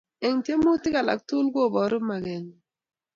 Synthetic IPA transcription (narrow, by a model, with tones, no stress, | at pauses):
ɛ˨ŋtje˦mo˦tɪ˦ka˨la̰˨k̚tu˦lɡo˦˨bɔ˨ɾʊ˦ma˨ɡɛ˨n